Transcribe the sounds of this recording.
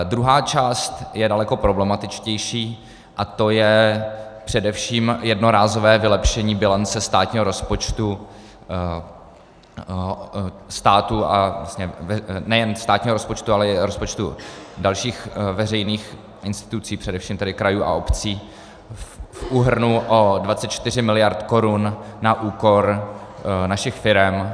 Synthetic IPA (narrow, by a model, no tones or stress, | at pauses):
d̪ɾuɦaːt͡ʃaːst̪jɛdalɛko̞pɾo̞blɛmat̪ɪt͡ʃcɛjʃiː | ʔat̪o̞jɛ | pr̥ɛdɛfʃiːmjɛdnoɾaːzo̞vɛːvɪlɛpʃɛɲiːbɪlant͡sɛst̪aːt̪ɲiːɦoɾo̞spot͡ʃt̪u | st̪aːt̪ua̰asɲɛvɛnɛjɛnst̪aːt̪ɲiːɦo̞ɾospo̞t͡ʃt̪ualɛɪɾo̞spo̞t͡ʃt̪ṵdalʃiːxvɛrɛjniːx | ʔɪnst̪ɪ̥t̪ut͡siːpr̝̥ɛdɛfʃiːmt̪ɛdɪkɾajuːʔa̰ʔo̞pt͡siː | fuːɦr̩nuʔodvatt͡sɛt̪t͡ʃt̪ɪrɪmɪlɪjaɾt̪ko̞ɾunːaʔuːko̞ɾ | naʃɪxfɪɾɛm